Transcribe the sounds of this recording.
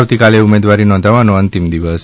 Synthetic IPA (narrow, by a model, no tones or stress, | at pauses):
ʋt̪ikaleumed̪ʋaɾinɔ̃nd̪ʱaʋanoənt̪imd̪iʋəs